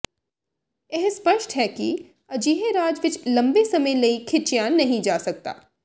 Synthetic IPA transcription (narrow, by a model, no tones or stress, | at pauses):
jeɦspəʃʈɦɛːkḭ | ɐd͡ʒiːɦeɾaːd͡ʒʋɪt͡ʃlɐ̃mbesɐməjlɐikʰɪt͡ʃijaːnːɐɦĩd͡ʒaːsɐk̚t̪a̰ː